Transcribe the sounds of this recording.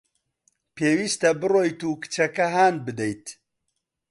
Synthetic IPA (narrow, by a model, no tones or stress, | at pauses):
pʰeːwiːst̪ɐbɨrojt̪uːkɨ̥t͡ʃʰɐkɐɦaːn̚bɨd̪ɛjt̪